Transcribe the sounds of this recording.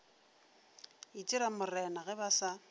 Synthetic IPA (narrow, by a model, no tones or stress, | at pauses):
it͡ʃʼɪɾamʊrɛnaɣɛbasa